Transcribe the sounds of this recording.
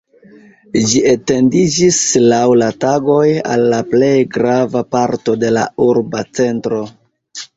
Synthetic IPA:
d͡ʒiete̞ndid͡ʒislawlataɡo̞ja̰lːaple̞jɡɾavapaɾto̞de̞la̰uɾbat͡se̞ntɾo̞

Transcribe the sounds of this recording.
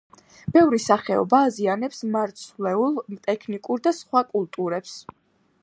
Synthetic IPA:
b̥ɛvɾisaχɛɔ̰baːzianɛpsmaɾt̪sʰlɛulˠmt̪ʼɛkʰnikʼuɾd̪asχwakʼulˠt̪ʼuɾɛps

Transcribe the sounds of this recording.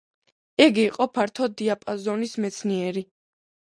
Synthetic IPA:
ɛɡiːqʼɔpʰaɾt̪ʰɔd̪iapʼazɔnismɛt̪sʰniɛɾi

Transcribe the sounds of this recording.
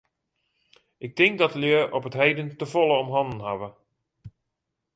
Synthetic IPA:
ʔɪk̚tɪŋk̚dɔtəljøəʔɔpətɦejdəntəfolˠəɔmɦɔndn̩ɦaʋə

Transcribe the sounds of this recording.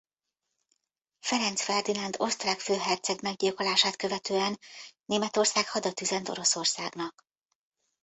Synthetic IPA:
fɛɾɛnt̪sfɛrd̪inɒnd̪o̞st̪raːkføːɦɛrt̪sɛɡmɛɡɟilkolaːʃaːt̪kø̞vɛt̪øːɛnːeːmɛt̪o̞rsaːkhɒd̪ɒt̪yzɛnt̪o̞̰ɾo̞so̞rsaːɡnɒk

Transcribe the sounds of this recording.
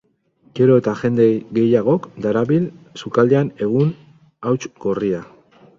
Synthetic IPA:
ɡ̥e̞ɾo̞et̪aʝe̞nd̪e̞ɣe̞jaɣo̞kd̪aɾaβilsukald̪eane̞ɣ̞un | awt͡ʃɡo̞ria

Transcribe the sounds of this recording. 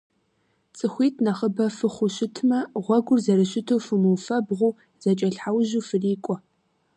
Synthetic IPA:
t͡sʼɨxʷiːtʰnaχəbɐfɨχʷʊɕɪtʰmɐʁʷɔɡʷʊrzɐɾɨɕɪtʰowfɨmuwfɐbʁʷʊː | z̥ɐt͡ʃʼɐɬħawʒuːfɨriːkʷʼɔ

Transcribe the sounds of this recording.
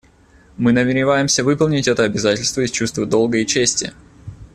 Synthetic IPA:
mɨnəmʲɪɾʲɪvajɪmsʲəvɨpəlˠnʲɪtʲɛt̪əɐbʲɪzatʲɪlʲst̪vəɪsʲt͡ɕust̪vəd̪olˠɡəɪt͡ɕesʲtʲɪ̰

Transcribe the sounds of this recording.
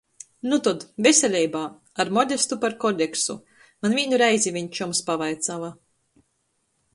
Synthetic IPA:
nut̪ɔd̪vʲesʲelʲɛjbaː | aɾmɔd̪ʲest̪upaɾkɔd̪ʲeksṵ | manvʲiːnuɾɛjzʲivʲiɲt͡ʃumspavajt̪sava

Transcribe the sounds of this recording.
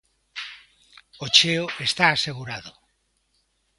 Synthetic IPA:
ot͡ʃeoest̪aːseɣuɾaðo

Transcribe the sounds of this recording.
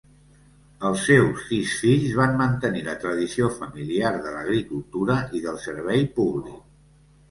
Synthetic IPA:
əlˠsːewsːiʃfiʎzβanmənt̪ənilət̪ɾəðisiofəmiliarðələɣɾikulˠt̪uɾəiðəlˠsəɾβɛjpuβlik̚

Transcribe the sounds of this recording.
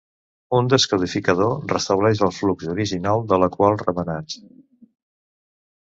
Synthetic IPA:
und̪əskəðifikəðorəst̪əβlɛʃəlˠfluɡzuɾiʒinalˠd̪ələkwalˠrəmənat͡s

